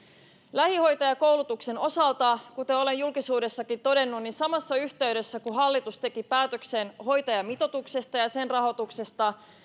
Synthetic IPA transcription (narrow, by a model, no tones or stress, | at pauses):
læhiho̞jt̪ɑjɑko̞wlut̪ukse̞no̞sɑlt̪ɑkut̪eo̞lejulkisuːde̞sːɑkint̪o̞de̞nːunninsɑmɑsːɑyçt̪eyɥdø̞sːækuɦɑlːit̪ust̪e̞kipæːt̪ø̞kse̞nho̞jt̪ɑjɑmit̪o̞t̪ukse̞st̪ɑjɑse̞nrɑɦo̞t̪ukse̞st̪ɑ